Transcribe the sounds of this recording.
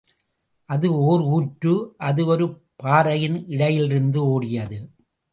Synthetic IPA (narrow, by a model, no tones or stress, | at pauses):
ʔɐðɯoːɾuːʈɾɯʔɐðɯɔɾɯ | paːɾɐjɪnɪɽɐjɪlɪɾɯnd̪ɯoːɽɪjɐðɯ